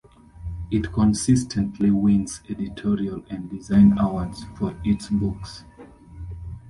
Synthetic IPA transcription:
itkʰɔ̃nsistʰɛ̃ntʰliwĩnzɛditʰɔɹialɛ̃ndizãɪ̃nawədz̥fɔɹitsbuks

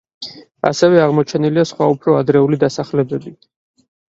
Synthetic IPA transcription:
a̰sɛvɛaʁmɔt͡ʃʰɛniliasχwaupʰɾɔad̪ɾɛulid̪asaχlɛbɛbi

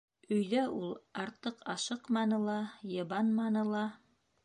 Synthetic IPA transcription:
ɵ̆jðæʔulˠɑɾt̪ɤqɑʃɤqmɑnɤlˠɑjɤ̆βɑnmɑnɤ̆lˠɑ

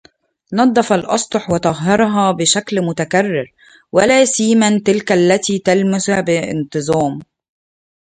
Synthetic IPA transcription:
nɑd̪ˤːɑfɑlʔɑ̰sˤt̪ˤoħwɪt̪ɑɣːɑɾˤɦɑːbɪʃæklmʊt̪ækærːɪɾ | wælæːsiːmænt̪ɪlkælːæt̪iːt̪ælmɪsæbɪʔɪ̰nt̪ˤɨzˤɑːm

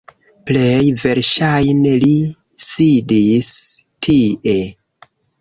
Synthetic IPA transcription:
plejve̞ɾʃajneli | sidistʰiʔe̞

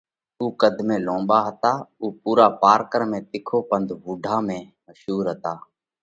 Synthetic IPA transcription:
uːkəd̪ʱmẽːlõːmɓaːɦət̪aːuːpuːɾaːpaːɾkəɾmẽːt̪ɪkʰoːpənd̪ʱʋʊɖʱaːmẽːməʃɦuːɾɦət̪aː

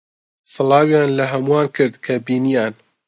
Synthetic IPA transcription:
sˤɨlɑːwjɑːnlaɦɐmuwaːnkʰɨɾd̪kʰɐbiːnijɑːn

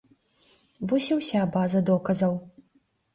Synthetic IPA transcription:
vɔsʲɛwsʲabazɐd̪ɔkɐzɐw

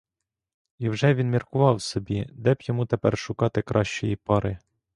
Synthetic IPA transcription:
iwʒɛʋʲinmʲirkʊʋɑwsɔbʲid̪ɛbjɔmut̪ɛpɛrʃʊkɑt̪ɪkɾʔɑʃt͡ʃɔjipɑɾɪ

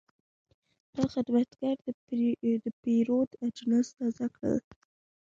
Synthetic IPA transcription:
d̪̥ɑxɪd̪mat̪ɡaɾd̪əd̪əpeɾod̪ad͡ʒnast̪ɑzakɽə̰l

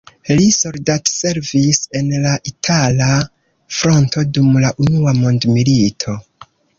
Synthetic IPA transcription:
liso̞ldatse̞ɾvise̞nlaʔitʰala | fɾo̞nto̞dumlaʔunuamondmilitʰo̞

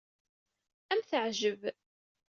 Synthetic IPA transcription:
æmθəʕʒəv

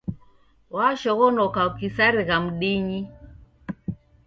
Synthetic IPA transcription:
waʃɔɣɔnɔkaukisaɾiɣam̩ɗiɲi

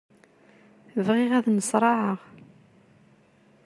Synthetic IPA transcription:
əvʁɪʁæðnəsˤɾˤɑʕəʁ

